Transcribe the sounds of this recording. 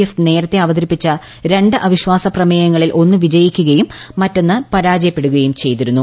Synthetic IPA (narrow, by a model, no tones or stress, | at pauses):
efne̞ːɾɐt̪ːe̞ɐʋɐd̪ɐɾipːit͡ɕːɐ | ɾe̞ɳɖɨʔɐʋiɕʋaːsɐprɐmeːjɐŋːɐɭilʔo̞nːɨʋid͡ʑɐjikʲːuɣɐjumːɐtːo̞nːɨpɐɾaːd͡ʑɐjɐpːe̞ɽuɣɐjumt͡ɕe̞jt̪iɾunːu